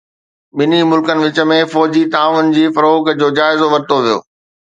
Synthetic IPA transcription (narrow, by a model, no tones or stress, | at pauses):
ɓɪnimʊlkənɪ̆ʋɪt͡ɕə̆mẽfɔːd͡ʑit̪aːʋənɪ̆d͡ʑiːfɐɾoːkd͡ʑoːd͡ʑaːɪzoʋɐɾt̪oʋijo̰ː